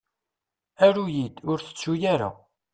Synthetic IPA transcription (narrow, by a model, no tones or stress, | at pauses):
æɾujid̪ʊɾθə̥t͡sːujaɾa̰